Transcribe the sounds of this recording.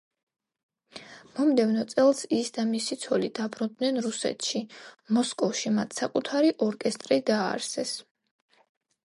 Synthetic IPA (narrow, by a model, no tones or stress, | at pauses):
mɔmd̪ɛvnɔt̪sʼɛlˠsisd̪amisit̪sʰɔlid̪̥abɾɔd̪nɛnɾusɛ̰t̪ʰʃimɔskʼɔfʃimat̪ʰsakʼut̪ʰaɾiʔɔɾkʼɛst̪ʼɾid̪aːɾsɛs